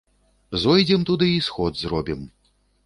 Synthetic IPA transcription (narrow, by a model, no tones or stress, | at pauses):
zɔjd͡zʲɛmt̪ud̪ɨisxɔd̪zrɔbʲim